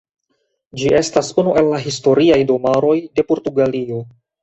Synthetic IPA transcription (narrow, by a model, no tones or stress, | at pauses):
d͡ʒiʔe̞stasunuʔe̞lːaɦisto̞ɾiajdo̞maɾo̞jde̞po̞ɾtuɡalio̞